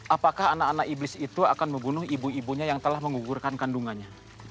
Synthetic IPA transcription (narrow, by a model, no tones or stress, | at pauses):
ʔapakaɦanakanakiblɪsit̪uakanməmbunʊɦibuibuɲajaŋt̪əlahməŋuɡurkankanduŋaɲa